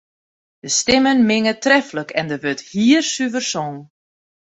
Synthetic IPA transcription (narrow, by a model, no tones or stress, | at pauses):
d̥əstɪmənmɪŋətrɛfləkʰɛndəʋøthiːərsyvərsɔŋ